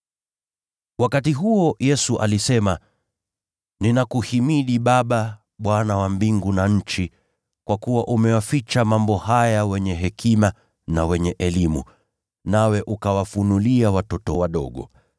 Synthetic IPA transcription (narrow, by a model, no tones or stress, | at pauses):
wakatiɦuɔjɛsuʔa̰lisɛma | ninakuhimiɗiɓaɓa | ɓwanawambiŋɡunaɲ̩t͡ʃi | kwakuwaʔumɛwafit͡ʃamambɔhajawɛɲɛɦɛkʰima | nawɛɲɛʔɛlimṵ | nawɛʔukawafunuliawatɔtɔwaɗɔ̰ɠɔ̰